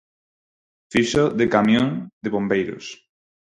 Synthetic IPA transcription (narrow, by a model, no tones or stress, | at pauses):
fiʃoðekamjõŋd̪eβõmbejɾo̰s